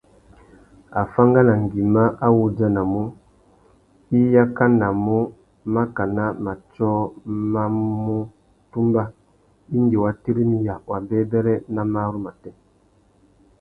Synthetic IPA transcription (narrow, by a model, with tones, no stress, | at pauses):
a˨fa˦ŋɡa˦na˨ŋ˨ɡi˨ma˦a˦wu˦da˦na˨mu˦ | i˦ja˦ka˦na˨mu˦ | ma˦ka˨na˦ma˨t͡ʃɔː˦ma˦mu˦ | tu˦mba˦ | i˦nde˨wa˨ti˦ɾi˦mi˦ja˨wa˨bɛː˦bɛ˦ɾɛ˦na˦ma˦ɾu˦ma˨tɛ˦